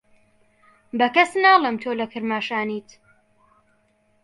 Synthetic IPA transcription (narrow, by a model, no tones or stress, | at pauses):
bɐkɐsnaːlˠɛmt̪ʰoːlɐkʰɨɾmaːʃaːniːt̪